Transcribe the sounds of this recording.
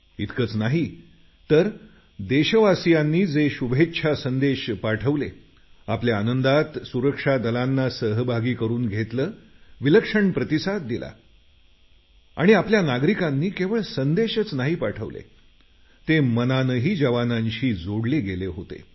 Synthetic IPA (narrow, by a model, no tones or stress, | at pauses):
it̪kəːt͡snaɦi | t̪əɾ | d̪eɕəʋasijanːiːd͡zeɕubʱetːɕʰasənd̪eɕpaʈʰəʋlḛ | apljaanənd̪at̪suɾəkʂad̪əlanːasəɦəbʱaɡiːkəɾuːnɡʱet̪ləːʋiləkʂəɳpɾət̪isat̪̚d̪ila̰ | a̰ɽ̃iapljanaɡɾikãnːiːkeʋəɭsənd̪eɕət͡snaɦipaʈʰə̰ʋlḛ | t̪emənanəɦiːd͡ʑəʋanãɲɕiːd͡zoɽleɡeleɦot̪ḛ